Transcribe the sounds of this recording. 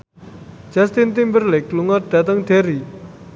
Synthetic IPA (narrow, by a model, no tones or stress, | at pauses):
t͡ɕast̪int̪inperlekluŋaʈ͡ʂat̪aŋt̪ʰereʔ